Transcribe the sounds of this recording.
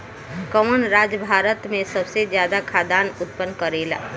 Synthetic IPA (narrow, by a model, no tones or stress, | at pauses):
kəmənɾaːd͡ʒəbʱaːɾət̪mẽsəbsezjaːd̪akʰaːd̪aːnʊt̪̚pənːkəɾeːla̰ː